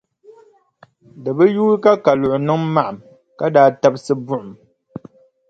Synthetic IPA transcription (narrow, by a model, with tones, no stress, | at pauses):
dɨ˨bɨ˦juː˦ɾɨ˦ka˦ka˨lʊ˨ʔʊ˨nɨ˦ŋma˦ʔa˨m | ka˦daː˦ta˦bsɨ˦bʊ˦ʔʊ˨m